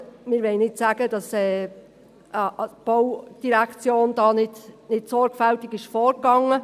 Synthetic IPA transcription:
mɪːɾʋɛɪnɪtsæːɡ̥əd̥ɑsɛː | b̥ɔwd̥iɾækt͡sjoːnd̥ɑːnɪdnɪtsɔɾɡ̥fæltɪɡɪʃfɔːɾkɑŋə

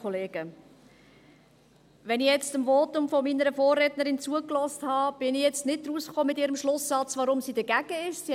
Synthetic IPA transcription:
ɔleːɡ̥ə | ʋɛnijɛt͡stəmvoːtʊmfominəɾəfoːrɾɛtnəɾɪnt͡suəklɔsthɑb̥ɪnijɛt͡stnɪd̚d̥̪ɾusχoːmɪtɪːɾəmʃlʊsːɑt͡sʋɑɾʊmsiːdəɡ̥æɡ̥əɪʃsi

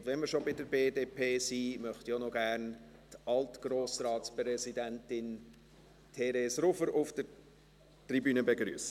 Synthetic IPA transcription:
dʋɛnməɾʃobɪdəɾbeːdeːpʰeːsiːmœχt̪ionɔɡæːɾn | tɑltɡ̥roːsrɑːtspɾɛsidæntɪn | tʰɛɾesɾʊfəɾʊfd̥əɾ | tribyːnəbeɡɾy̰ːsə

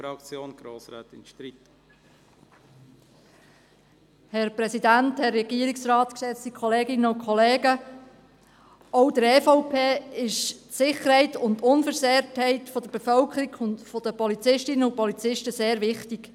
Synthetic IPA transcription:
ɾɑkt͡sjoːnɡ̥ɾoːsɾa̰ːt̪ɪnʃt̪ɾit | hɛɾpɾɛsidænthɛrːɛɡ̥iəɾiksrɑːt̪kʃɛsikʰχɔleːɡɪnəʊkʰɔleːɡə | ɔwd̪əɾɛfoʊpʰeːɪʃtsɪχəɾhɛɪtʊnt̪ʊnfəɾseːɾthɛɪtfɔd̥̪əɾbefœlkʰəɾiɡʊntfɔd̥əpɔlit͡sɪʃtɪnəʊpɔlit͡sɪʃtəseːɾʋɪχtiɡ̥

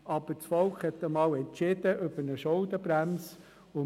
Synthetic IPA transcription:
ʔɑb̥ət͡sfɔlkχhɛt̪ːəmɑːlɛntt͡ʃɪd̥̪əʔøb̥ənəʃɔʊd̪əbɾæms | ʊ

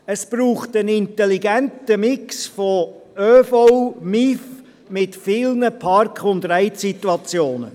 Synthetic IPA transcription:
əspɾuːχtənɪnt̪ɛliɡɛntəmɪksfɔøfɔʊmif | mɪtfɪlnəpʰɑɾkχʊnd̪ɾæjsit̪uɑt͡sjoːnə̰

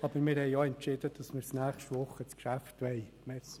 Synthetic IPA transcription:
ɑb̥əɾmɪɾhɛɪjoɛntt͡ʃɪd̥əd̥ɑsmɪːɾsnæːχʃtʋʊχət͡skʃæftʋɛɪ | mɛs

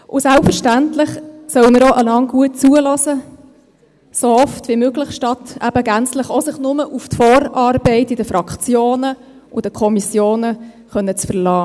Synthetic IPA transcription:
ʔʊsælpfəɾʃtæntlɪχsœwəməɾoʔəlɑŋɡ̥uət̚t͡suəlɔzə | soɔftvimøːɡlɪχʃtɑtæ̰b̥əɡænt͡slɪχosɪχnʊməʔuftfɔːɾɑːrbɛɪtɪd̥əfɾɑkt͡sjoːnə | ʊd̥əkʰɔmisjoːnə | χœnːət͡sfəɾlɑː

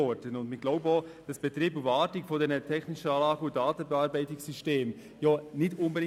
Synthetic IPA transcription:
ɔdənʊndmɪɡ̥laʊbəod̥ɑsb̥ɛtɾiːbuvɑːtɪkfɔdɛːnətʰɛxnɪʃəɑːlɑːɡəudɑːtn̩bɛɑɾbæɪtɪsyʃteːm | jɑnɪtʊnbədɪ

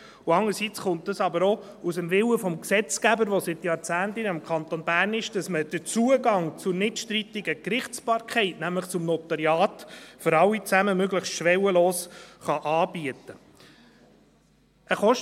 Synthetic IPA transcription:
uɑŋəɾsit͡sχʊnt̚dəsɑbəɾɔ | usəmvɪwəfɔmksɛt͡skæbəɾʋɔsɪt̪jɑɾt͡sæːntɪnɪmkχɑnt̪ɔnbæːɾnɪʃd̥ɑsməd̥ət͡suəɡɑŋt͡sʊɾnɪtʃtɾitɪɡəkɾɪχt͡sb̥ɑːɾkχɛɪtnæmləχt͡sʊmnɔt̪ɑɾjɑːt̪føɾɑwit͡sæməmøɡləχstʃʋɛwəloːsχɑʔɑːb̥iət̪ə | ʔəχɔʃ

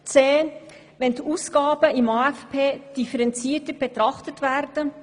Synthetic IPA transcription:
t͡seː | vɛndiʔuːsɡ̥ɑːbəɪmɑɛfpʰeːd̥ifəɾɛnt͡siːtəb̥ɛt̪ɾɑχtətvæɾdə

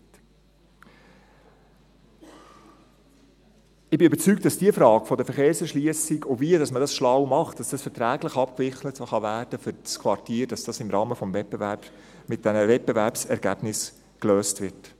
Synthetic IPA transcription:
ɪbɪøbəɾt͡syk̚t̚d̥ɑsd̥iːəfɾɑːɡ̥fɔdəfəɾχeːɾsɛʃliəsiɡoviədɑsmədɑsʃlɑwmɑχtd̥ɑsd̥ɑsfəɾtɾæːɡləχɑpkvɪχlətsoχɑvæːrd̥əfʏɾt͡skʰʋɑrtiːɾd̥ɑsd̥ɑsɪmɾɑːməfɔmvɛt̚bevæɾp | mɪt̚d̥ɛnəvɛt̚bevæɾpsɛɾɡ̥æb̥nɪs | kløːstvɪɾt

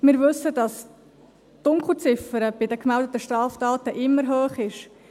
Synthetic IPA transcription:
mɪːɾʋʏsːədɑs | d̥ʊŋkl̩ˠt͡sɪfəɾəb̥ɪdəkmɛldət̪əʃtrɑːftɑːtəʔɪmːəɾɦøːχɪʃ

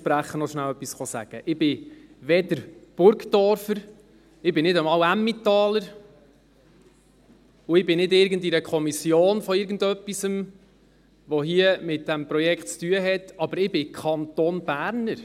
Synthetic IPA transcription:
pɾæχːənɔʃnæwœpːisχɔsæ̰ɡ̥əʔɪb̥ɪʋɛdəɾb̥ʊɾɡdɔɾfəɾ | ɪbɪnɪdəmɑːwæmːit̪ɑːləɾ | ʊɪbɪnɪdɪɾɡəndiɾəkʰχɔmisjoːnfɔɪɾɡən̩dœpːisəm | ʋɔɦiəmɪt̚d̥æmpɾɔjɛkχtt͡styəɦɛtɑbəɾɪbɪkʰɑnt̪ɔnb̥æːɾnəɾ

